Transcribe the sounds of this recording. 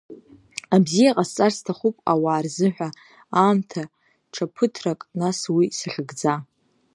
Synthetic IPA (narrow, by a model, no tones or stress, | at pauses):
abzijaqʼast͡sʼarstʰaχupʼawaːrzɨħʷᶣa | aːmtʰa | ʈ͡ʂʰapʰɨtʰrakʼnaswisaχʲɨɡd͡za